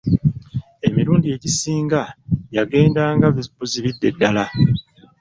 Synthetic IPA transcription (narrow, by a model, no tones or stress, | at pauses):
e̞miɾuːndie̞ɟisiːŋɡajaɡe̞ːndaːŋɡaβibuziβidːe̞dːala